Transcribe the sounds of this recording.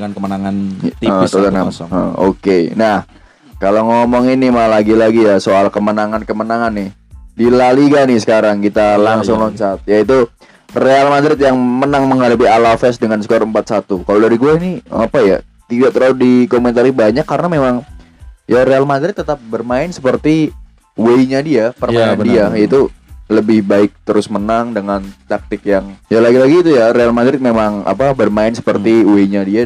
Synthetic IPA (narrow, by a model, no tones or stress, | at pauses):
ŋankəmənaŋant̪iəot̪anaəo̰kenah | kaloŋɔmɔŋinimalaɡilaɡijasoalkəmənaŋankəmənaŋanːɪh | dilaliɡanɪhsə̥kaɾaŋkit̪alaŋsʊŋlɔɲt͡ʃat̪̚jait̪u | realmadɾɪt̪̬̚jaŋmənaŋməŋɦadap̬ialafɛsdəŋansə̥kaɾəmpat̪̚sat̪ukalodaɾiɡuɛinia̰paja̰ | t̪idaʔt̪əɾaʊdikoment̪aɾibaɲakːaɾənamemaŋ | jaɾealmadɾɪt̪ːət̪ap̚bərmaɪnsə̥pərt̪i | weiɲadiapərmaandiajait̪uləbɪhbaɪk̚t̪əɾʊsmənaŋdəŋant̪ak̚t̪ɪk̚jaŋjalaɡilaɡiːt̪ujaɾealmadɾɪt̪̚memaŋa̰pabərmaɪnsə̥pərt̪iweiɲadia